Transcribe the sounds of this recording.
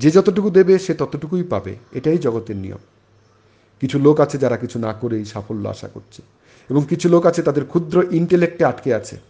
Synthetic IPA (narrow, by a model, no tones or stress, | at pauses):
d͡ʑed͡ʑɔt̪oʈ̬ukud̪ebeʃet̪ɔt̪oʈukujpabḛeʈajd͡ʑɔɡot̪eɾnḭjo̰m | kit͡ɕʰulokat͡ɕʰed͡ʑaɾakit͡ɕʰunakoɾejʃafolːo̰a̰ʃa̰ko̰ɾt͡ɕʰe̥ | eboŋkit͡ɕʰulokat͡ɕʰet̪ad̪eɾkʰud̪ɾoʔiɳʈelek̚ʈeaʈkeat͡ɕʰḛ